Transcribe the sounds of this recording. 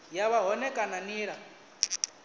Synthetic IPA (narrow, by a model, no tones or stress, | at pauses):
jaβaɦɔnɛkʼananiːɺa